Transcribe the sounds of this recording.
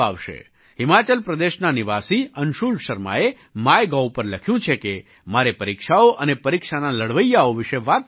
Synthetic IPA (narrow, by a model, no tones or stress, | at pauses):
aʋʃḛ | ɦɪmat͡ʃəlpɾəd̪eʃnaniʋasiənʃulʃəɾma̰e | majɡawpəɾləkʰjũt͡ʃʰeke | maɾepəɾikʃaoʔənepəɾikʃanaləɽʋəjːaoʋɪʃeʋat̪̚